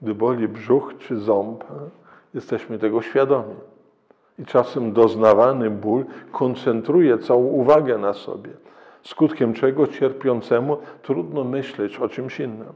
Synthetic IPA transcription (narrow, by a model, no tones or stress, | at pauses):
ɡd̪ɘbɔlʲibʐuxt͡ʂɘzɔmp | jɛst̪ɛɕmɘt̪ɛɡɔɕfʲjad̪ɔmʲi | it͡ʂasɛmd̪ɔznavanɘbulkʰɔnt̪sɛnt̪ɾujɛt̪sawɔ̃w̃uvaɡɛnasɔ̰bʲjɛ | skut̪kʲɛmt͡ʂɛɡɔt͡ɕɛɾpʲjɔnt̪sɛmut̪ɾud̪nɔmɘɕlɛt͡ɕɔt͡ʂɘmɕinːɘm